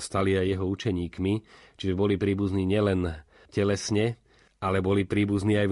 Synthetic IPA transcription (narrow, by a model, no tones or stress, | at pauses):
st̪aliajːɛɦɔut͡ʃɛɲiːkmit͡ʃiʒɛbɔlipɾiːbuzniːɲɪɛlɛn | cɛlɛsɲɛ | alɛbɔlipɾiːbuzniːaj